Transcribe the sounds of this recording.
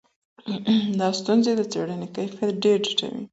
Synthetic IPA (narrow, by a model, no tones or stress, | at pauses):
d̪ɑst̪unzed̪ət͡seɽənekajfeɖeɾd͡ʒiʈa̰wḭ